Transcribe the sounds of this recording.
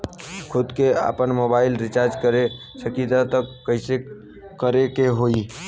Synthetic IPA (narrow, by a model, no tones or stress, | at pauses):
kʰʊd̪kea̰pənmobaɪlɾɪt͡ʃaɾd͡ʒkəɾe | t͡ʃəkit̪at̪əkːəɪse | kəɾekeɦoi